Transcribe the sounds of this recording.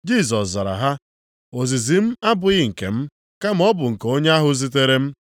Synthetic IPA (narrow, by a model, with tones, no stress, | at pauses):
d͡ʒi˦˨s̬ɔ˨sza˨ɾa̰˨ɦa˦ | o˨zi˨zi˨m̩˦a˦bʊ˨ɣɪ˦ŋ̩˨kḛ˨m̩˦ | ka˦m̩˦ɔ˦bʊ˨ŋ̩˨ko˦ɲe˦a˦ɦʊ˦zi˦t̬e˦ɾe˦m̩˦